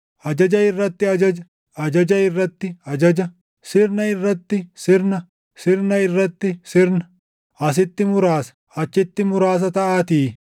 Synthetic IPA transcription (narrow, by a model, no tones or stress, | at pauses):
ʔɐd͡ʒɐd͡ʒɐɪrːɐt̪ːɪɐd͡ʒɐd͡ʒɐ | ɐd͡ʒɐd͡ʒɐɪrːɐt̪ːɪɐd͡ʒɐd͡ʒɐ | sɪɾnɐɪrːɐt̪ːɪsɪɾnɐ | sɪɾnɐɪrːɐt̪ːɪsɪɾnɐ̥ | ɐs̬ɪt̪ːɪmʊɾaːsɐ̥ | ɐt͡ʃːɪt̪ːɪmʊɾaːs̬ɐt̪ɐʔaːt̪iː